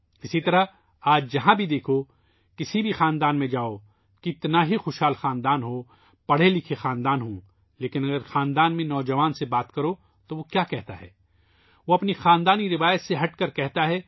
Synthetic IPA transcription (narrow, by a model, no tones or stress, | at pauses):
ɪsit̪ɐɾa | aːd͡ʒd͡ʒɐɦãbʱid̪eːkʰo | kɪsibʱixaːnd̪aːnmẽd͡ʒaːo | kiɪt̪naɦixoːʃɦaːlxaːnd̪aːnɦoː | pɐɽ̤elɪkʰexaːnd̪aːnɦõː | leːkɪnɐɡəɾxaːnd̪aːnmẽnɔːd͡ʒɐʋaːnsebaːt̪kɐɾo | t̪oʋokjaːkɛɦt̪a̰ɦɛ̰ː | ʋoɐpnixaːnd̪aːniɾɪʋaːjət̪seɦɐʈkɐɾkɛɦt̪aɦɛː